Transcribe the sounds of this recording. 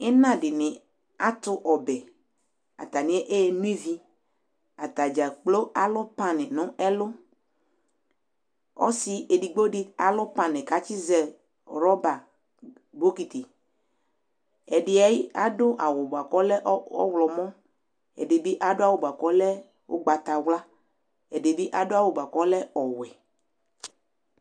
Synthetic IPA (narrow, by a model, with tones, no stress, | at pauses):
ɛ˦nã˦dɪ˨nɪ̃˨ | a˦t̪ʊ˦ʔɔ˨bɛ˨ | a̰˨t̪a˨nɪ̃˨˦ɛ˦ʔe˦˨nũ˦i˦vi˦ | a˨t̪a˨d͡ʒa˨k͡plo˦a˨lɔ˦pa˦nɪ̃˨nʊ̃˦ɛ˦lʊ˦ | ɔ̰˦si˨e˨di˨ɡ͡bo˦ɖɪ˦a˨lɔ˦pã˨nɪ̃˨ka˨t͡ʃi˦zɛ˨ | ɾɔ˦ba˨ | bo˦ki˨t̪i˨ | ɛ˨ɖɪ˨a˦ji˦a̰˦dʊ˦ʔa˨wo˨ba˨kɔ˦lɛ˦ʔɔ̰˦wlɔ˨mɔ̃˦ | ɛ̰˨de˨di˦ʔa˦do˦a˦wo˨ba˨kɔ˦lɛ˦ | wo̰˦ɡ͡ba˨t̪a˨wla˦ | ɛ˨de˨bi˦ʔa˦do˦a˦˨wo˨ba˨kɔ˦lɛ˦ɔ˨wɛ˨